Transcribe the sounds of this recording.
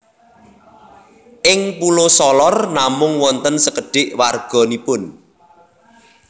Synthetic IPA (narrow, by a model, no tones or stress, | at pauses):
ʔɪŋpulosɔlɔrnamʊŋwɔnt̪ənsəkəɖ̥ɪʔwarɡ̥ɔ̤nipʊn